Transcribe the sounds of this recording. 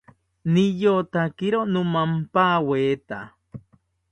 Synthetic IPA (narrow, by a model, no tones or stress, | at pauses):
nijot̪akiɾonũmampaweːt̪a̰